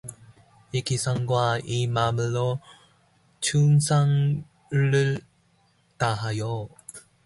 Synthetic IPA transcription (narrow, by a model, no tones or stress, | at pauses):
ikisʰaŋɡwaimamɯɭːo | t͡ɕʰuŋsʰaŋ | ɭːɯɭ | taɦajo